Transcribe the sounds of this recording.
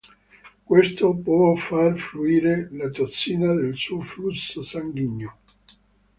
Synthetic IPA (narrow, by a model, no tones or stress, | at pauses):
kwest̪opwɔfarfluiːɾelat̪ot̪sːiːnad̪elsuːoflusːosaŋɡiɲːo